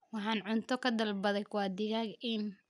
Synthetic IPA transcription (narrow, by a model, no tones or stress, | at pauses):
wɑħɑːnʕʊnt̪ʰɔkʰɐd̪ɐlbɐðɛjkwɑːd̪ɪɣaɡɪn